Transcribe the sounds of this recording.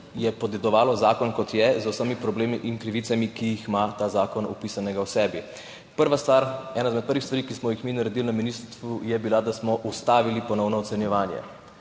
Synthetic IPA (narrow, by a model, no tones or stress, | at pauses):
jɛpɔd̪ɛd̪ɔʋaːlɔzaːkɔnkɔt̪jɛzusəmipɾɔbleːmiʔiŋkɾiʋiːtsamikijːxmat̪aːzaːkɔnṵpiːsanɛɡawsɛːbi | pəɾʋast̪ʋaɾɛːnajzmɛt̪̚pəɾʋixst̪ʋaɾikismɔjixminaɾɛd̪ilnaminist̪ujɛbilad̪asmɔʔust̪aːʋilipɔnɔwnɔɔt̪sɛnjɛʋaːnjɛ̰